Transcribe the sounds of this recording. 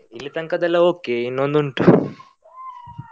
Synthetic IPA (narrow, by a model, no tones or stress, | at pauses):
ilːit̪ɐŋkɐd̪ɐlːɐoːkeinːond̪uɳʈu